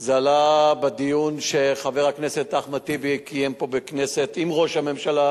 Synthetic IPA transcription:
zalabed̪ijunʃe̞χaveʁakneset̪aχmat̪ibikʰijempo̞beknesetimʁo̞ʃhame̞mʃala

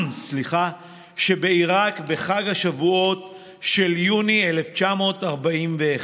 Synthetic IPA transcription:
sliχa | ʃebe̞iʁakbe̞χaɡhaʃavuo̞t | ʃe̞ljunieleft͡ʃamo̞ːtaʁbaimveː

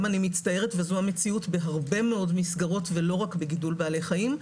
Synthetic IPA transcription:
manimistɐje̞ʁetveazuamet͡siutbe̞ɦaʁbe̞meo̞dmisɡaʁo̞tve̞lo̞ʁakbe̞ɡidulbeːle̞jχajim

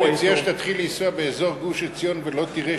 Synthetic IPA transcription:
et͡siaʃt̪at̪χilisuabeezoʁɡuʃet͡sijonvelo̞t̪iʁe

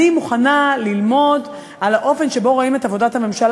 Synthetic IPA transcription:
imuχanalilmo̞d | alaʔo̞fe̞nʃe̞bo̞ʁo̞ime̞tavo̞dathame̞mʃal

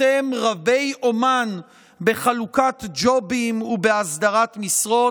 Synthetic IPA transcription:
emʁave̞jʔo̞man | be̞χalukatd͡ʒo̞bimubeasd̪aʁatmisʁo̞

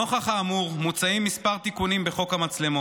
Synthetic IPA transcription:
oχaχaːmuʁmut͡saimːispaʁt̪ikunimbe̞χo̞khamat͡sle̞mo

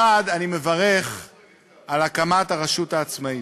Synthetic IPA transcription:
ad̪anime̞vaʁe̞χ | alakamataʁeʃutaːt͡smai

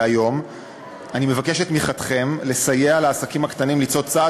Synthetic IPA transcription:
ajo̞m | anime̞vakeʃet̪miχat̪χe̞mle̞sajealaːsakimakt̪animlit͡so̞t͡sa

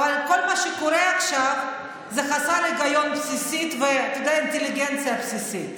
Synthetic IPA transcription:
avalko̞lmaʃekoɾeaχʃav | zeχasaɾleɡajo̞npsisit̪veat̪od̪ejaint̪eliɡent͡sijapsisit

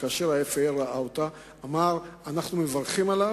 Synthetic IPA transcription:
kaːʃeʁaefeeʁaʔaot̪aː | maʁanaχnumevaʁχimala

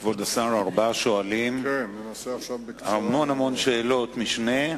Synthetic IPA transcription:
vod̪asaʁaʁbaʃoalim | shamo̞nhamo̞nʃe̞ːlo̞t̪miʃne

